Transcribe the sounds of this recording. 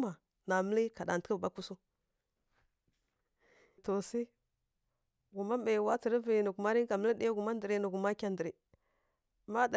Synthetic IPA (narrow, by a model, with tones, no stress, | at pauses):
ma˨ | na˨mə˦li˦ka˨da˨n˨tə̥˦ə˦˨ba˦ku˦su˦ | to˨si˦ | ɡu˨ma˦mbe˨wa˦t͡si˨ɾi˦vi˨nu˨ɡu˨ma˦ɾi˦ka˨mə˦li˦di˦a˦ɡu˨ma˦ndi˨ɾi˨˦nu˨ɡu˨ma˦kʲa˨ndi˨ɾi˨ | ma˦da˨